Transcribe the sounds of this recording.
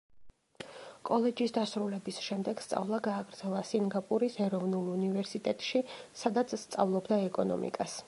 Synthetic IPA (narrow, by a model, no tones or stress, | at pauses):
kʼɔlɛd͡ʒisd̪asɾulɛbisʃɛmd̪ɛɡ̥st̪sʼa̰vlˠaɡaːɡɾd̪zɛlˠasiŋɡapʼuɾisɛɾɔvnulˠunivɛɾsit̪ʼɛt̪ʼʃisad̪at̪sʰst̪sʼavlˠɔbd̪aɛkʼɔnɔ̰mḭkʼas